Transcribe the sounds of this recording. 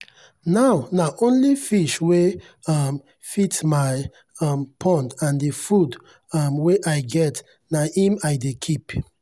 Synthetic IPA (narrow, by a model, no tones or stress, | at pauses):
nawnaʔõnlifiʃwe | ɔm | fitmaɪ | ɔmpʰɔ̃ndãndifud | ɔmweʔaɪɡɛt | nahĩmajdekʰip